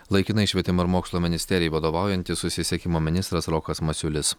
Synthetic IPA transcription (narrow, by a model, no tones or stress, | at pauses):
lˠɐɪkʲɪnɐɪʃʲʋʲɛt̪ʲɪmɐɪɾmoːkslˠoːmʲɪnʲɪsʲt̪ʲɛɾʲɪjɛɪʋɐd̪oːʋɑˑʊjɛnʲt̪ʲɪsʊsʲɪsʲɛkʲɪmoːmʲɪnʲɪst̪ɾɐsɾɔkɐsmɐsʲʊlʲɪs